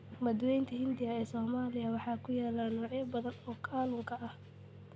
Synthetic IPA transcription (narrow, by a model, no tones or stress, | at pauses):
mɐd̪wɛjnt̪ʰɐhɪnd̪ɪɐɛːsɔːmaːlɪjɐwɑħɑːkʰʊjaːlaːnɔːʕjɐbɐðɐnɔːkʰaːlʊŋkʰɐʔɐh